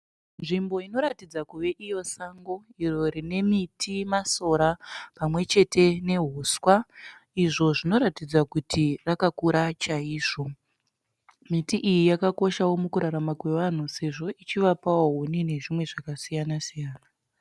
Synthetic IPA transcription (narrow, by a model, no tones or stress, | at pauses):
nʐimbo̞ino̞ɾatid͡zakuʋe̞ʔijo̞saŋɡo̞iro̞rine̞mitʰimaso̞ɾapamwe̞t͡ʃe̞tʰe̞ne̞ɦoswaiʐo̞ʐino̞ɾatid͡zakutirakakuɾat͡ʃaiːʐo̞ | mitiʔijijakako̞ʃawo̞mukuɾaɾamakwe̞ʋan̤use̞ʐo̞it͡ʃiʋapawoɦunine̞ʐimwe̞ʐakasijanasijaːna